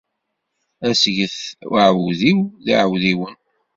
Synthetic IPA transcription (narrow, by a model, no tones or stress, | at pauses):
æsʝəθəʕəwðiwðḭʕwðiwən